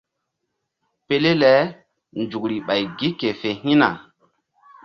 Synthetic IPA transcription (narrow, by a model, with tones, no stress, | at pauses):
pe˦le˦lɛ˨˦ | nd͡ʒu˨kɾi˨ɓa˨jɡi˦ke˨fe˨ɦĩ˦na̰˨